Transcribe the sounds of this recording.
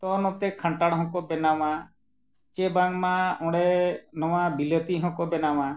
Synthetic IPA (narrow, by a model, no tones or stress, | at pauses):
t̪ɔnɔt̪ɛkʰãɳʈaɽɦɔ̃kɔbɛnama | t͡ʃebaŋmaɔ̃ɽɛnɔwabilɔt̪iɦɔ̃kɔbɛnawa